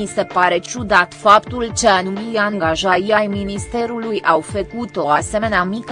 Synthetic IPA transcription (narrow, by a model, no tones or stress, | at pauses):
ise̞paɾe̞t͡ʃud̪at̪fapt̪ult͡ʃeanumilaŋɡaʒaiajminist̪e̞ɾulujʔawfəkut̪o̞ase̞meneamik